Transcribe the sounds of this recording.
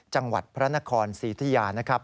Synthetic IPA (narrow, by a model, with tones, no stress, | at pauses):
t͡ɕa˧ŋwa̰˨˩t̪̚pʰɾa˦˥na˦˥kʰɔː˧nsiː˩˦t̪ʰa˧jaː˧na˦˥kʰɾa˦˥p̚